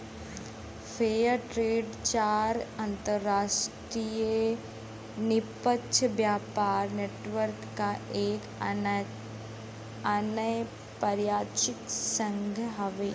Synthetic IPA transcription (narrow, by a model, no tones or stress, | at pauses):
fʰeːjəɾʈɾeːɖt͡ʃaːɾãnt̪əɾːaːʃʈɾijə | nɪpəʃʰəbjaːpaːɾneːʈʋəɾkːaʔeːk | ɐnəj | pɐɾjaːt͡ʃɪksə̃ŋɡʱɦɐʋeː